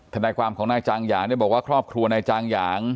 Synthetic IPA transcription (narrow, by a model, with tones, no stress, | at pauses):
t̪ʰa˧naː˧jkʰwaː˧mkʰɔː˩˦ŋnaː˧jt͡ɕaː˧ŋjaː˩˦ŋdaː˥˩jbɔː˨˩kwːkʰɾɔː˥˩p̚kʰɾu˧ɐna˧jt͡ɕaː˧ŋjaː˩˦ŋ